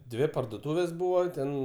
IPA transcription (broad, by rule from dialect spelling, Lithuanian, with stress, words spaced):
ˈdʲʋʲɪ pɐrdoːˈtuːʋʲeːs ˈbuːʋɐ ˈtʲɛn